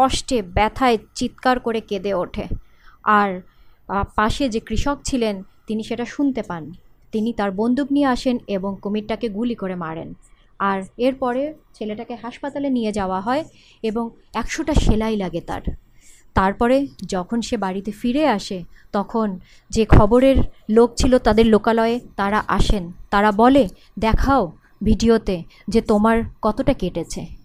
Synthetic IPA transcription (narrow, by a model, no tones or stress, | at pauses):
ɔʃʈebɛt̪ʰaet͡ɕit̪kaɾkoɾeked̪eoʈʰe | aɾ | paʃed͡ʑekɾiʃokt͡ɕʰilent̪iniʃeʈaʃunt̪epan | t̪init̪aɾbond̪uknieaʃeneboŋkomiʈ̚ʈakeɡulikoɾemaɾḛn | aɾeɾpɔɾet͡ɕʰeleʈakeɦaʃpat̪alenijed͡ʑaoaɦɔe | eboŋ | ɛkʃoʈaʃelajlaɡet̪a̰ɾt̪aɾpɔɾed͡ʑɔkʰonʃebaɾit̪efiɾeaʃet̪ɔkʰon | d͡ʑekʰɔboɾeɾlok̚t͡ɕʰilot̪ad̪eɾlokalɔeet̪aɾaʔaʃent̪aɾabɔle | d̪ɛkʰao | bʱiɖiot̪ed͡ʑet̪omaɾkɔt̪oʈakeʈet͡ɕʰḛ